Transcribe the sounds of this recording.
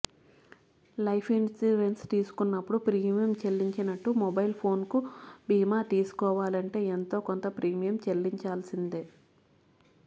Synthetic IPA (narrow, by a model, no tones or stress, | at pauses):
lɐjpʰinsiɖenst̪iːsu̥kunːɐpːuɽupɾiːmijɐmt͡ʃelːiɲt͡ʃinɐʈːumɔbɐjlpʰo̞ːnkubiːmaːt̪iːsu̥kɔːʋaːlɐɳʈe̞ːent̪o̞ːkont̪ɐpɾiːmijɐmt͡ʃelːiɲt͡ʃaːlsind̪eː